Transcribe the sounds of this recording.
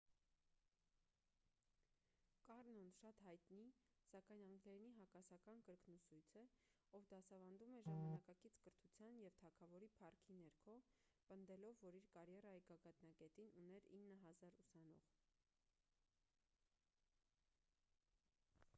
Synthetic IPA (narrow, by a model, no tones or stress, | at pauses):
kɑrnɔnʃɑt̪hɑjt̪nisɑkɑjnɑŋɡnɛɾniɦɑkɑsɑkɑnkəɾknusujt͡sʰə | ɔvd̪ɑsɑvɑnd̪umɛʒɑmɑnɑkɑkit͡sʰkəɾt̪ʰut͡sʰjɑnjɛvt̪ʰɑkʰɑvɔɾipʰɑrkʰinɛɾkʰɔ | pənd̪ɛlɔvːɔɾiɾkɑɾjɛrɑjiɡɑɡɑt̪nɑkɛt̪inunɛɾinːəɦɑzɑɾusɑnɔ̰ʁ